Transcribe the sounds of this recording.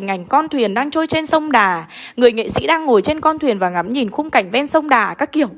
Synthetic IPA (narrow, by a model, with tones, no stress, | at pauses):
ŋa˨˩jŋ̟kɔ˧nt̪ʰwi˨˩ənɗaː˧ŋt͡ɕo˧jt͡ɕe˧nsə˧wŋ͡mɗaː˨˩ | ŋɨ˨˩əjŋḛ˧˨sḭ˧˥ɗaː˧ŋːo˨˩jt͡ɕe˧nkɔ˧nt̪ʰwi˨˩ənvaː˨˩ŋa˨˦mɲi˨˩nxʊ˧ŋ͡mka˨˩jŋ̟vɛ˧nsə˧wŋ͡mɗaː˨˩kaː˦˥kːi˨˧˩əw